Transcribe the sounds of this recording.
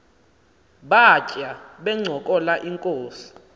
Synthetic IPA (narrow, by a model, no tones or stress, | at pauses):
ɓat͡ʃʼaɓɛŋ͡ǀʱɔkʼɔlaʔiŋkʼoːsi̥